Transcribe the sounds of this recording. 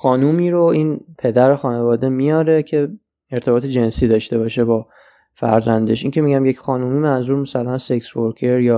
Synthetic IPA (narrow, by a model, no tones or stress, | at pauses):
xɒːnuːmiːɾoiːnpʰe̞d̪æɾoxɒːne̞vɒːd̪e̞mijɒːɾe̞cʰe̞ | eɾt̪ʰe̞bɒːt̪ʰed͡ʒe̞nsiːd̪ɒʃt̪e̞bɒːʃe̞bɒː | fæ̰ɾzænd̪e̞ʃiŋcʰe̞miɟæmjecxɒːnumiːmænzuːɾmæsælænseksboɾkʰe̞ɾjɒː